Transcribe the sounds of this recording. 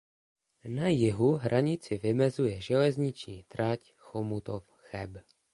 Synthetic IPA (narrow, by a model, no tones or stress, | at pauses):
najɪɦuɦɾʔaɲɪt͡sɪvɪmɛzujɛʒɛlɛzɲɪt͡ʃɲiːt̪ɾac | xomut̪of | xɛb